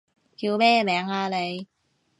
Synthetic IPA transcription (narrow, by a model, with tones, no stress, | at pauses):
kiː˧wmɛː˥mɛː˨˥ŋaː˧le˨˧j